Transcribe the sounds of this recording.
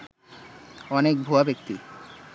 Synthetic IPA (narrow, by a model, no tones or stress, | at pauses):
ɔnek̚bʱuabekt̪i